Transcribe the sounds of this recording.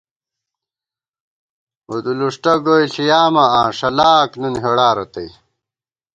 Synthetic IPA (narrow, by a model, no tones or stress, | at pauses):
ud̪uluʂʈɐɡoiɬijaːmɐãːʂɐlaːknunɦeɽaːɾot̪ɐij